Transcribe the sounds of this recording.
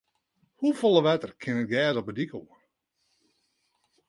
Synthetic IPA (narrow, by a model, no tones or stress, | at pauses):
hufɔlˠəʋɛtərkʰɪnət̚ɡɛːzɔpədikoə